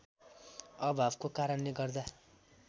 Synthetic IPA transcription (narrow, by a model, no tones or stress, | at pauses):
ʌbʱabkokaɾʌnleɡʌrd̪a